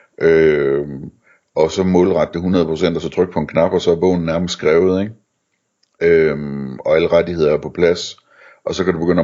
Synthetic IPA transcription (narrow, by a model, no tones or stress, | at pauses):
ʔø | ɒ̽sɒ̽mɔ̽ːlʁɑ̈d̥əɦunʁɐðˠpʰʁo̝sen̰d̥ɐsɒ̽t͡sʰʁœɡ̥̚pʰɒ̽e̝nkʰnɑ̈b̥ɒ̽sɒ̽æɐb̥ɔ̰̽ʊ̰n̩næɐməsdɡ̥ʁɛːʊð̞̩ˠe̝ɡ̥ | øɒ̽æləʁadihe̝ð̞̰ˠɐæɐpʰɒ̽pʰlæs | ʔɒ̽sɒ̽kʰædub̥e̝ɡ̥øn̰